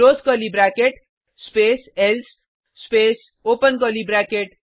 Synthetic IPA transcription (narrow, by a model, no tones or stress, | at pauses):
oskʌlibɾakeʈ | spesels | spes | opənkʌlibɾakeʈ